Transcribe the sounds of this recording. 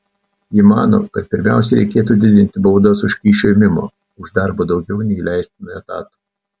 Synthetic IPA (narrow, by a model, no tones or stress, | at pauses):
jimɑːno̰ːkɐt̪̚pʲɪɾʲmʲæˑʊs̬ʲɛɪɾʲɛɪkʲeːt̪uːd̪ʲɪd̪ʲɪnʲt̪ʲɪbɐʊd̪osʊʃʲkʲiːʃʲoɪmʲɪmo̰ː | ʊʒd̪ɑɾbod̪ɒʊɡʲɛʊnʲɛilʲæˑɪsʲt̪ʲɪnʊɛt̪ɑ̰ːt̪u̥